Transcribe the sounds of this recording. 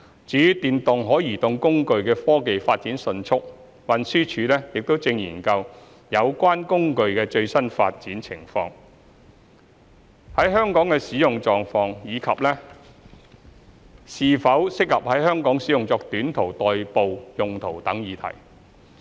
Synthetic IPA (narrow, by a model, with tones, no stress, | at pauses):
t͡ʃyː˨˥t̪iː˨nt̪ʊ˨ŋɦɔː˨˥jiː˨˩t̪ʊ˨˧ŋkʊ˥ŋkɵ˧ɥkɛː˧fɔː˥ke˨jfaː˧t̚t͡siː˨˥nsɵ˧nt͡ʃʰʊ˥k̚ | wɐ˨nsyː˥t͡ʃʰyː˨˧lɛː˥jɪ˨k̚t̪o˥wt͡sɪ˧ŋjiː˨˩nkɐ˧w | jɐ˨˧wkʷaː˥nkʊ˥ŋkɵ˧ɥkɛː˧t͡ʃɵ˧ɥsɐ˥nfa̰ː˧t̚t͡siː˨˥nt͡sʰɪ˨˩ŋfɔ̰ː˧ŋ | hɐ˨˥jɦœː˥ŋkɔː˨˥ŋkɛː˧siː˨˥jʊ˨ŋt͡ʃɔː˨ŋfɔː˧ŋjiː˨˧kʰɐ˨p̚lɛː˥ | siː˨fɐ˨˥wsɪ˥k̚lɐ˨p̚hɐ˨˥jhœː˥ŋkɔː˨˥ŋsiː˨˥jʊ˨ŋt͡sɔː˧k̚t̪yː˨˥nt̪ʰo˨˩wt̪ɔː˨jpo˨˧wjʊ˨ŋt̪ʰo˨˩wt̪ɐ˨˥ŋjiː˨˧t̪ʰɐ̰˨˩j